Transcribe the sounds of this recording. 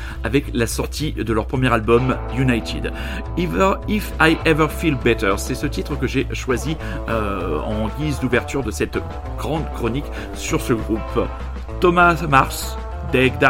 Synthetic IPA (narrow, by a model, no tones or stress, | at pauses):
avɛklasɔʁt̪ʰid̪əlœʁpχəmjɛʁalbɔm | junajt̪ʰḭd̪ | vifajʔɛvəʁfilbɛt̪əʁsɛsət̪it̪χəkəʒeʃwazi | øɑ̰̃ɡʲizd̪uvɛʁt̪yʁd̪əsɛt̪ | ɡ̥ʁɑ̃d̪kχɔnik | syʁsəɡʁup | t̪ɔmamaʁs | d̪ɛɡd̪a